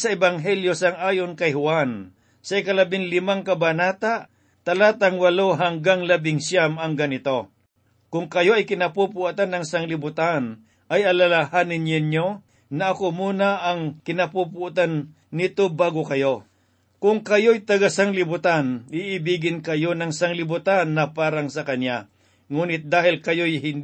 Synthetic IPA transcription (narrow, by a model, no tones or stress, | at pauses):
sɐʔɛbaŋɦɛljosaŋaːjonkɐjhʊwan | sɐɪkɐlɐbɪŋlɪmaŋkɐbanaːt̪aʔ | t̪ɐlaːt̪aŋwɐloɦaŋɡaŋlɐbɪŋsjamɐŋɡɐnɪt̪o̞ | kʊŋkɐjoʔɐjkɪnɐpupuʔat̪anːɐŋsaŋlɪbʊt̪an | ʔɐjɐlalahanɪnjɪnjo | nɐʔːkomuːnaʔɐŋkɪnɐpupʊʔt̪anː | ɪt̪o̞baːɡokɐjo | kʊŋkɐjojt̪ɐɡasaŋlɪbʊt̪anɪʔɪbiːɡɪnkɐjo̞nɐŋsɐŋlɪbʊt̪anːɐpaːɾɐŋsɐkɐnja | ŋuːnɪt̪̚d̪aːhɪlkɐjo̞jɦɪn